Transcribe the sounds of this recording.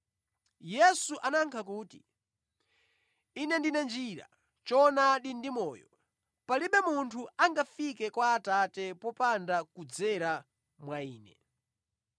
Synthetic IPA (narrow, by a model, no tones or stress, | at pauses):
jɛsuʔanaŋkʰak̬uːti | inɛndinɛnd͡ʒiɾa̰ | t͡ʃɔnaɗindimɔːjɔ̰ | paliɓɛmuntʰuaŋɡafikɛkwaːtatɛpɔpandakud͡zɛɾa | mwaiːnɛ